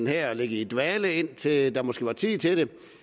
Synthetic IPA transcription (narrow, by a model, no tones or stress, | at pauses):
n̩hæɐ̰ɒleɡ̥əid̥ʋæːləe̝n̰t͡sʰe̝d̥ɑ̈mɔ̽sɡ̥e̝̰ːʋɑ̈t͡sʰiːt͡sʰe̝ɾ̥e̝